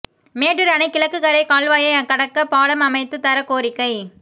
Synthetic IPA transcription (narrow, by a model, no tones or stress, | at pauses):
meːʈrɪɾɐnɐɪkɪlɐkːɯkɐɾɐɪkaːlʋaːjɐkɐɽɐkːɐpaːɽɐmɐmɐɪt̪ːɯt̪ɐɾɐkoːɾɪkːɐɪ